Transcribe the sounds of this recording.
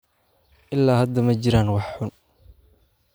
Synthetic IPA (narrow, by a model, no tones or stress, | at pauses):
ʔɪlːaːhɐd̪ɐmɐt͡ʃɪɾaːnwɑħːʊn